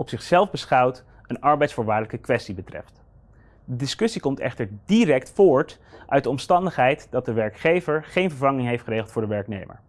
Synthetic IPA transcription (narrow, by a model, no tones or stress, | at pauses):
ɔpsɪχsɛlˠvbəsχɑwt | ənɑɹbɛjtsfʊːɹʋaːdələkəkʋɛstibətrɛ̰ft | dədɪskɵsikɔmtɛ̰χtəɹdirɛktfoːɹt | ʔœɥt̚dəɔmstɑndəχɦɛjtdɑt̚dəʋɛɹkχejvəɹχejnvəɹvɑŋɪŋɦejftχəɾejχəlˠtfʊːɹdəʋɛɹknḛjmə̰ɹ